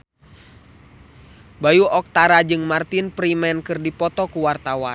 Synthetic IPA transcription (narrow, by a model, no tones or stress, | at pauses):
bajuɔk̚t̪aɾad͡ʒɨŋmart̪inpɾimɛnkɨrdipɔt̪ɔkuwart̪awan